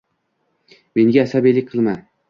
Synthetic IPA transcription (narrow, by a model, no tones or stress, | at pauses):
me̞ŋɡʲaːsabijlɪk̚ʲqʰɨlˠma